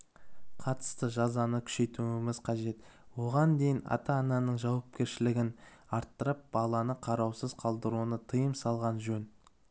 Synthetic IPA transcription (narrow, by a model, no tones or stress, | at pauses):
qʰɑt̪ə̥st̪əʒɑzɑnəkʲʰʏ̥ʃe̞jt̪uɪmɪz̥qʰɑʒe̞t̪wo̞ʁɑnd̪e̞jɪnɑ̰t̪ɑːnɑnəɴʒɑwɑp̚kʲe̞ɾʃɪlɪɡʲɪn | ɑɾt̪ːəɾəp̚b̥ɑlˠɑnəqʰɑɾɑwsəzqʰɑlˠd̪əɾunət̪ʰəjəmsɑlˠʁɑnʒɵn